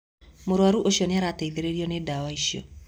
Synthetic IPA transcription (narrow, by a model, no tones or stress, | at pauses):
moɾwaɾuʔoɕiɔneaɾatɛiðeɾeɾiɔnedawaiʃiɔ̰